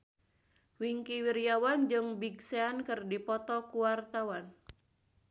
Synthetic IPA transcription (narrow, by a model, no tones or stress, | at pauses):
wiŋkiwirjawand͡ʒɨŋbiɡseankɨrdipɔt̪ɔkuwart̪awan